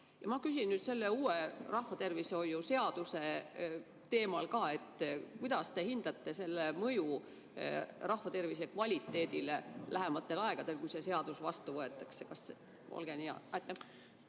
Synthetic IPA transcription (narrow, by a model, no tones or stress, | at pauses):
jɑmɑkys̬ʲinːyt̪se̞lːe̞uːe̞rɑhvɑt̪e̞rvisho̞juse̞ɑd̪̥use̞ | t̪e̞ːmɑlkɑːe̞t̪ːˑkujd̪̥ɑst̪e̞hind̪̥ɑt̪ːe̞se̞lːemɤju | rɑhvɑt̪e̞rvise̞kvɑlʲit̪ːe̞ːd̪ilelæɦe̞mɑt̪ːe̞lɑeɡ̥ɑd̪e̞lkujse̞se̞ɑd̪̥usvɑst̪uvɤe̞t̪ːˑɑksekɑse | o̰lɡ̥eniɑ̰ɑt̪ːˑe